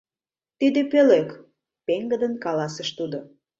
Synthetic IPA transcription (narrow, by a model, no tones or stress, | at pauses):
t̪id̪epølek | peŋɡəd̪ənkɑlɑsəʃt̪ud̪o